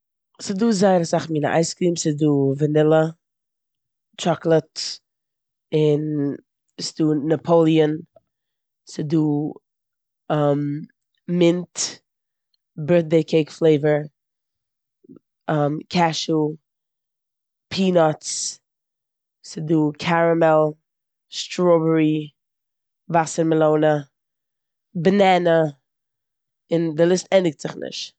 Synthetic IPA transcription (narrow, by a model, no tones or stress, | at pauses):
sɪduːzaɪɾəsaχmiːnə̰ʔa̰ɪskɾiːmsɪduːvənɪlˠə | t͡ʃɾɔklˠət | ɪn | sɪduːnapʰoʊlˠiən | sɪduː | am | mɪnt | bɜɹt̚deɪkʰeɪkflˠeɪvəɹ | amkʰɛʃlˠ | pʰiːnɔt͡s | sɪduːkʰaɾəmɛlˠ | ʃtɾɔbəɾi | vasəɾməlˠoʊnə | bnɛnə | ɪndɪlˠɪstɛndɪk̚tz̥ɪχnɪ̰ʃt